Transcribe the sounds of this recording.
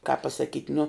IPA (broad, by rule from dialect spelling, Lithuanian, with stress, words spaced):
kɑːp pɐsɐˈkʲiːtʲ nʊ